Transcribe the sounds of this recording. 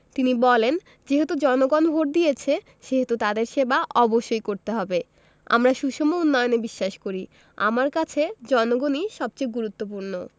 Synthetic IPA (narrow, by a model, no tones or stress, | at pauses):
t̪inibɔlen | d͡ʑeɦet̪ud͡ʑɔnoɡonbʱoɾ̚d̪ijet͡ɕʰe | ʃeɦet̪ut̪ad̪eɾʃebaʔɔboʃːojkoɾt̪eɦɔbe | a̰mɾaʃuʃomounːɔjonebiʃːaʃkoɾi | a̰maɾkat͡ɕʰed͡ʑɔnoɡoniʃɔb̚t͡ɕojɡuɾut̪ːop̬uɾno